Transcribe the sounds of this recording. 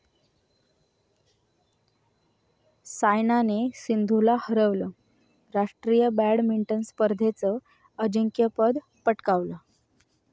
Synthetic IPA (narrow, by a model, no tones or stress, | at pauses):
sajnanesind̪ʱulahəɾəʋlə | ɾaʂʈɾijəbæɽmiɳʈənspəɾd̪ʱet͡sə | əd͡ʑəŋkjəpəd̪ | pəʈkaʋlə